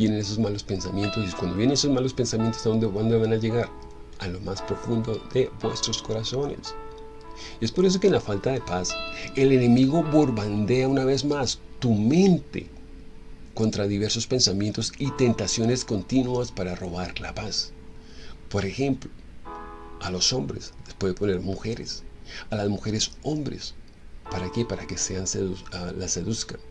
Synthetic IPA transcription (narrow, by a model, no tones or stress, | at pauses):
bje̞ne̞ne̞sozmalo̞spe̞nsamje̞nt̪osikwandojeneneso̞zmalo̞spe̞nsamje̞nt̪o̞saðo̞nd̪ekwand̪eβanaʝe̞ɣaɾ | alo̞maspɾo̞fund̪o̞ðe̞bwe̞st̪ɾo̞sko̞ɾaso̞ne̞̰s | ie̞spo̞ɾe̞s̬o̞kenlafalt̪aðe̞pase̞le̞ne̞miɣo̞βoɾβand̪e̞aunaβe̞zmas | t̪umẽ̞nt̪e̞̰ | ko̞nt̪ɾaðiβ̞e̞ɾso̞spe̞nsamje̞nt̪o̞sit̪e̞nt̪asjo̞ne̞sko̞nt̪inwaspaɾaro̞β̞aɾla̰pas | po̞ɾe̞xe̞mplo | alo̞so̞mbɾḛslespweðe̞pone̞ɾmuxe̞ɾe̞̰salazmuxe̞ɾe̞so̞mbɾe̞̰s | paɾakepaɾake̞seanselase̞ðuskan